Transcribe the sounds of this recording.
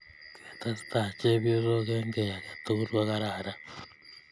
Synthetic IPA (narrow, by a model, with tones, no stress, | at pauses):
ke˨t̪a˦si̥t̪a˨t͡ʃe˦βjo˦zo˦ɣe˦ŋɡe˨ja˨ɣa˨t̪u˦ɾwa˦ɣa˦ɾa˨ɾa˦